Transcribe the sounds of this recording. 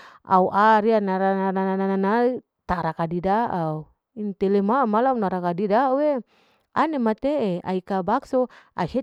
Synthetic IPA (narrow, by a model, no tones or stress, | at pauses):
ʔa̰uʔaɾianaɾananananananai | t̪aɾakadidaʔau | int̪ɛlemamalaunaɾakadidaue | a̰nemat̪eea̰ikabaksoʔa̰se